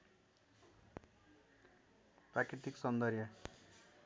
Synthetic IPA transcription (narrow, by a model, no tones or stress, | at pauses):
prakɾit̪iksʌnd̪ʌrjʌ